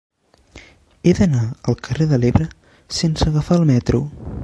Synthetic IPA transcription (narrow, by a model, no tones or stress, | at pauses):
eðənaəlˠkəreðəleβɾə | sensəɣəfaəlˠmɛt̪ɾu